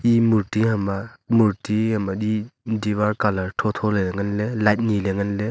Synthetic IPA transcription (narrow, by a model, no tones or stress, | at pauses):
imuɾtiɦamamuɾtihamadidiβaɾkalaɾtʰɔtʰɔlelaŋanlelajt̚nileŋanle